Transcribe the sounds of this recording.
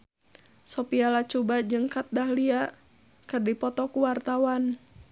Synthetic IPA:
sɔpialat͡ʃɔbad͡ʒɨŋkat̪̚dahlia | kərdipɔt̪ɔkuwart̪awan

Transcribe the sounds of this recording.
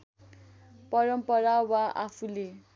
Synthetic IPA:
pʌɾʌmpʌɾawaʔa̰pʰule

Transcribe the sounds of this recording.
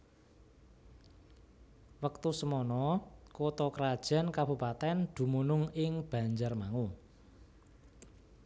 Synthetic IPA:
wək̚t̪usəmɔnɔkot̪ɔkəɾad̥ʒ̥a̤nkab̥ṳpat̪ɛnd̪̥ṳmunʊŋɪŋb̥ä̤ɲd͡ʒərmaŋu

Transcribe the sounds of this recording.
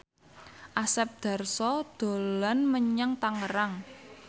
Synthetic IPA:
ʔasɛp̚d̪̥a̤rsɔd̪̥o̤lanməɲaŋt̪aŋəɾaŋ

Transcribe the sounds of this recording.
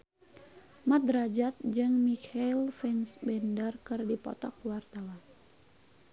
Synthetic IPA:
mat̪ɾad͡ʒat̪̚d͡ʒɨŋmikʰailfɛnsbɛndərkɨrdipɔ̰t̪ɔk̚wart̪awan

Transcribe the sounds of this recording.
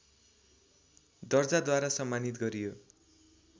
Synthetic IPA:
d̪ʌrd͡zad̪waɾasʌmːanit̪ɡʌɾijo

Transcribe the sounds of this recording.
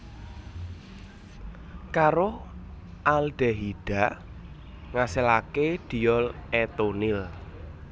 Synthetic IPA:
kaɾo | ald̪̥ɛ̤ɦiɖ̥a̤ | ŋaselakeɖ̪̥i̤jɔlɛt̪onɪl

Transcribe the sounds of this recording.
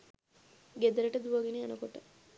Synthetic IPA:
ɡed̪əɾəʈəd̪uʋɐɡeneanəkoʈə

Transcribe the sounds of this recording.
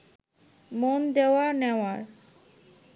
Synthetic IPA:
mond̪eoaneoaɾ

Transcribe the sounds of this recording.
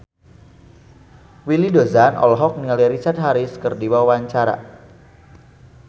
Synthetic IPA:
wilidozanʔɔ̰lɦɔk̚nilɛɾit͡ʃart̪̚ɦaɾiskərdiwawawaɲt͡ʃaɾa̰

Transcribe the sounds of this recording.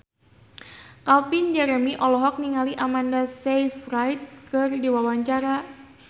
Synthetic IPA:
kalpɪnd͡ʒɛɾɛmiʔɔlɔɦɔk̚niŋaliʔamandasejfrajt̪̚kɨrdiwawaɲt͡ʃaɾa

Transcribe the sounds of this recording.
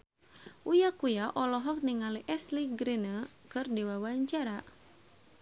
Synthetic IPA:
ʔujakujaʔɔlɔɦɔk̚niŋaliʔɛsliɡɾinə | kɨrdiwawaɲt͡ʃaɾa

